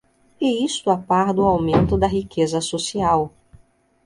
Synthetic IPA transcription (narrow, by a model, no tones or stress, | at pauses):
ɪist̪ʊapaɾd̪ʊawmẽnt̪ʊd̪ɐɦikʰezɐsosiaw